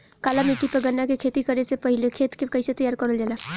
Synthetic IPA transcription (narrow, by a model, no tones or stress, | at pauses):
kaːlamiʈːipəɡənːakekʰeːt̪ikəɾesepɐɦɪlekʰeːt̪kekɐɪset̪əjaːɾkəɽəld͡ʒala